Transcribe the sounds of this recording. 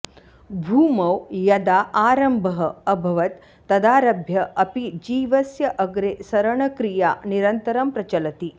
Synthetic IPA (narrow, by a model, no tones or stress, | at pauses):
bʱuːmɐwjɐd̪aːʔaːɾɐmbʱɐɦɐɐbʱɐʋɐt̪ | t̪ːɐd̪aːɾɐbʱjɐɐpid͡ʒiːʋɐsjɐʔɐɡɾeːsɐɾɐɳɐkɾija̰ːniɾɐnt̪ɐɾɐmpɾɐt͡ʃɐlɐt̪i